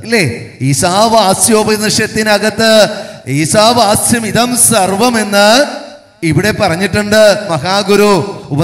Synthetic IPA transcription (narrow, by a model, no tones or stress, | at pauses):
ilːe | isaːʋaːsjoːbɐnɐʂjɐt̪ːinɐɣɐt̪ːɨ | iːsaːʋaːsjɐmiðɐmsɐrʋɐme̞nːɨ | iʋiɽe̞pːɐrɐɲːiʈːuɳɖɨmɐɦaːɡuɾuubɐ